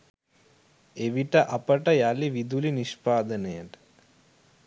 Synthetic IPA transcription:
eʋiʈəʔapəʈəjaliʋid̪uliniʃpaːd̪ənəjəʈə̥

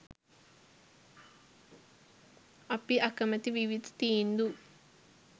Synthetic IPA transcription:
ɐpiʔɐkɐmɐt̪iʋiʋid̪ʱɐ̥t̪iːind̪u

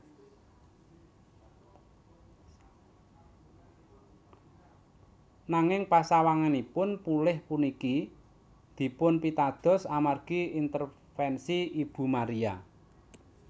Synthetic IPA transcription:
naŋɪŋpasawaŋanipʊnpulɪhpuniki | d̪̥i̤pʊnpit̪ad̪̥ɔ̤samarɡ̥iint̪ər | fɛnsiib̥ṳmaɾia

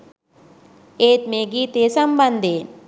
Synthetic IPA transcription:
eːt̪meːɡiːt̪eːsɐmbɐnd̪ʱeː

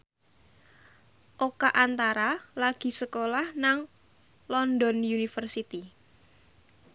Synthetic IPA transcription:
ʔokaʔant̪aɾalaɡ̥i̤səkolahnaŋ | lɔnd̪ɔnjunifərsit̪i

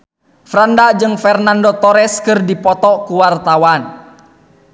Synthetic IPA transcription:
fɾandad͡ʒɨŋfɛrnandɔt̪ɔɾɛskɨrdipɔt̪ɔkuwart̪awan

